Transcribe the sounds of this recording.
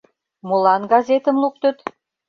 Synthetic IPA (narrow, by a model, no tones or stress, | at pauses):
molɑnɡɑzet̪ə̆mluk̚t̪ə̆t̪